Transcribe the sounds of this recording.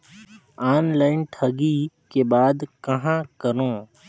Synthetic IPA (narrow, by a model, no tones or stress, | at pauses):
aːnlaːɪnʈʰɐɡi | kebaːd̪kɐɦãkəɾõː